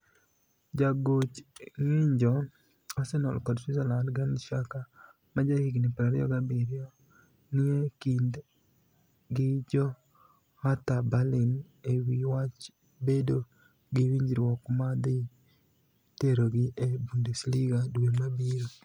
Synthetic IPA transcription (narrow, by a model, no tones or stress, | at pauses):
d͡ʒaɡot͡ʃŋɪɲd͡ʒɔ | asɛnɔ̰lkɔdsuzɛlandɡanʃaka | mad͡ʒahiɡnɪpɾaɾ̰jɔ̰ɡabɪɾɪɔ | nɪekind | ɡɪd͡ʒɔ | hat̪abalɪn | ewiwat͡ʃ | bedo | ɡɪwiɲd͡ʒɾwɔkmad̪ɪ | teɾoɡɪʔebundɛsliɡadwemabiɾo